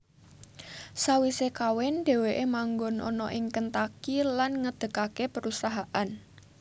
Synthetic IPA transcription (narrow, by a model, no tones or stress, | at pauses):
sawisekawɛnɖ̥e̤weʔemaŋɡonʔɔ̰nɔ̰ʔɪŋkənt̪akilanŋəd̪̥ə̤kakepəɾusaɦaʔan